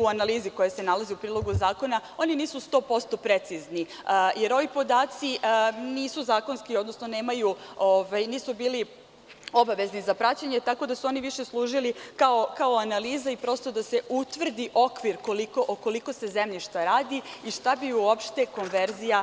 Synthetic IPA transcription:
uanaliːziko̞jese̞nalaziupɾiːlˠo̞ɡuzaːko̞nao̞niniːsust̪o̞ːpo̞st̪o̞pɾet̪sizni | jʔe̞ɾo̞ʋipo̞d̪aːt̪siniːsuzaːko̞nskio̞d̪no̞sno̞ne̞ːmajuoʋajniːsubiːli | o̞baʋe̞znizapɾat͡ɕaɲe̞t̪ako̞d̪asuo̞niʋiʃe̞slˠuːʒilikaokao̞analiːzaipɾo̞st̪o̞d̪ase̞ʔut̪ʋr̩d̪iʔo̞kʋiɾkolikoʔoko̞liko̞se̞ze̞mʎiʃt̪aɾaːd̪iiʃt̪abiuopʃt̪e̞ko̞nʋe̞ɾzija

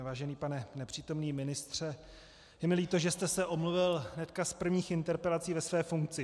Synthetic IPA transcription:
vaːʒɛniːpanɛnɛpr̝̥iːt̪o̞mniːmɪnɪst̪r̝̥ɛ | jɛmɪliːt̪o̞ʒɛst̪ɛsɛʔo̞mluvɪlɦnɛt̪kaspr̩vɲiːxɪnt̪ɛɾpɛlat͡siːvɛsvɛːfuŋk̚t͡sɪ

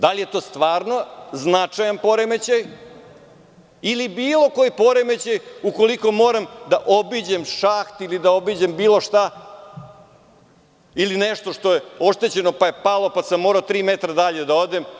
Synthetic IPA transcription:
d̪alije̞t̪o̞ːst̪ʋaːɾno̞znat͡ʂajanpo̞ɾeme̞t͡ɕaj | ilibiːlˠo̞ko̞jpo̞ɾeme̞t͡ɕajuko̞liko̞moːɾamd̪aʔo̞bid͡ʑemʃaxt̪ilid̪ao̞bid͡ʑembiːlˠo̞ʃt̪a | ilineʂt̪o̞ʂt̪o̞je̞o̞ʃt̪e̞t͡ɕe̞no̞pajepalˠo̞pasamːoːɾaot̪ɾiːmet̪ɾad̪aʎe̞d̪aod̪e̞m

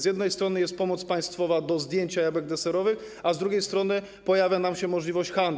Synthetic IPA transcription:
zjɛd̪nɛjst̪ɾɔnɘjɛst̪̚pɔmɔt̪spaj̃st̪fɔvad̪ɔzd̪ʲjeɲt͡ɕajabɛɡ̚d̪ɛsɛɾɔvɘx | azd̪ɾuɡʲejst̪ɾɔnɘ | pɔjavʲjanamɕɛmɔʐlʲivɔɕt͡ɕxand̪

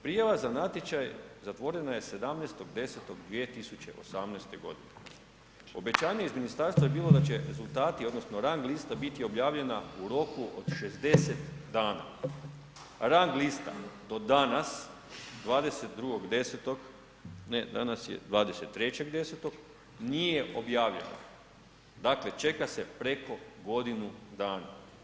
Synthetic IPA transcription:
pɾijaʋazanat̪ʲjet͡ʃajzat̪ʋo̞ɾe̞naje̞se̞d̪amneːst̪o̞ɡd̪e̞set̪o̞ɡd̪ʋiet̪isut͡ɕe̞̰ʔo̞samnest̪e̞ɡo̞̰d̪ine | o̞̰be̞t͡ɕaːɲe̞izminist̪aɾst̪ʋajebiːlˠo̞d̪at͡ɕe̞ɾe̞zulˠt̪aːt̪io̞d̪no̞sno̞ɾaŋɡlˠist̪abit̪io̞bjaːʋʎe̞nauɾo̞kuʔo̞̰d̪ʃe̞zd̪e̞set̪d̪aːna̰ | ɾaŋɡlist̪a̰d̪o̞d̪anas | d̪ʋaːd̪e̞set̪d̪ɾuɡo̞ɡd̪e̞set̪o̞ɡ | ned̪a̰nasjḛd̪ʋaːd̪eset̪ːɾe̞t͡ɕe̞ɡd̪e̞set̪o̞ɡ | nijje̞ʔo̞bjaːʋʎe̞̰no̰ | d̪akle̞t͡ʃe̞kase̞pɾe̞ko̞ɡo̞d̪inud̪aːna̰

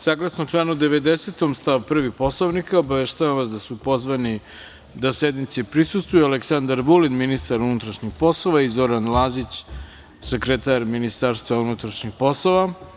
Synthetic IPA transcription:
saːɡlˠasnot͡ʃlanud̪e̞ʋed̪eset̪omst̪aʋupr̩ʋipo̞slˠoʋnikaobaʋeʃt̪aʋamʋasd̪asupo̞zʋani | d̪ased̪nit̪sepɾisust̪ʋujualeksand̪aɾʋulinminist̪aɾunut̪ɾaʃɲixpo̞slˠoʋaizo̞ɾanlaːzit͡ɕ | sekɾet̪aɾminist̪aɾst̪ʋaunut̪ɾaʃɲixpo̞sloʋa

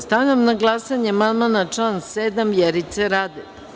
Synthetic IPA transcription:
st̪aʋʎʲamnaɡlˠasaɲeamand̪manat͡ʂlaːnseːd̪amvjeɾit̪seɾaːd̪e

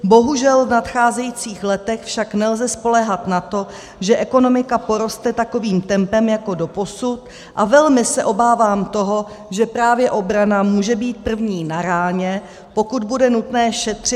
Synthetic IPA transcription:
bo̞ɦuʒɛlvnat̪xaːzɛjiːt͡siːxlɛt̪ɛxfʃaknɛlzɛspo̞lɛɦat̪nat̪o̞ | ʒɛʔɛko̞no̞mɪkapo̞ɾo̞st̪ɛt̪ako̞viːmt̪ɛmpɛmjako̞do̞po̞sut̪ | ʔavɛlmɪsɛʔo̞baːvaːmt̪o̞ɦo̞ | ʒɛpɾaːvjɛʔo̞bɾanamuːʒɛbiːt̪̚pr̩vɲiːnaɾaːɲɛ | po̞kud̪̚budɛnut̪nɛːʃɛt̪r̝̥ɪ

